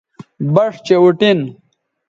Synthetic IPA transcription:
bɐʂt͡ɕeuʈin

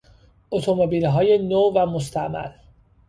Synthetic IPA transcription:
ʔot̪ʰomobilɦɒːje̞novæmos̬t̪ʰæmæ̰l

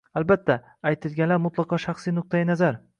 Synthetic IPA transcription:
albat̪ʰːaː | jt̪ʰɪlɡʲanlaɾmʊt̪lˠɑqʰɒʃɑχsijnʊq̚t̪ʰajɪnazaɾ

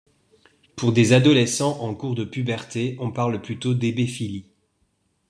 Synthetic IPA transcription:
puʁd̪ezad̪ɔlɛsɑ̃ʔɑ̃kuʁd̪əpybɛʁt̪eɔ̃paʁlplyt̪od̪ebefili

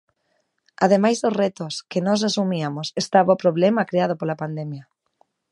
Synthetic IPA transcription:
aðemajzðoret̪oskɪnɔs̬asumiamosest̪aβaʊpɾoβlɛmɐkɾeaðopolapand̪emjɐ

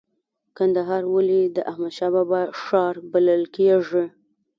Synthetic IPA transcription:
kand̪aɦɑɾwalid̪əʔahmad̪ʃɑbabaʂɑɾbaləlkeʐi

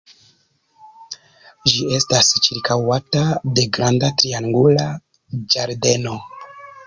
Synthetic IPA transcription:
ʒie̞stast͡ʃiɾkawatade̞ɡɾandatɾiaŋɡula | d͡ʒaɾde̞no̞

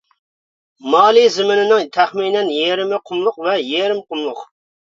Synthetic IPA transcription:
mɑːlˠizɪmɪnɪnɪŋt̪ʰæχminɛnjeɾɪmɪqʰʊmlˠʊqvɛjeɾɪmqʰʊmlˠʊq

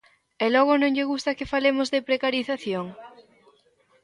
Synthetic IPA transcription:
ɛlɔɣ̞ʊnõŋʎɪɣust̪ɐkefalemʊzðepɾekaɾiθaθjoŋ

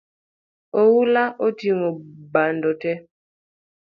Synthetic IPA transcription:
owulaʔotiŋɔbandɔtɛ

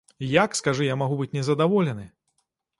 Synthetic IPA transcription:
jakskaʐɨjamaɣubɨt͡sʲnʲɛzɐd̪avɔlʲɛnɨ

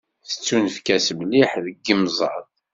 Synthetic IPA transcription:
θə̥t͡sːunfkæsəmliħðəɡːəmzˤɑ̰ðˤ

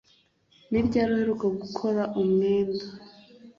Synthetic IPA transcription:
nibɟaːɾuheɾukaɡukʰo̞ɾaʔumŋeːnda

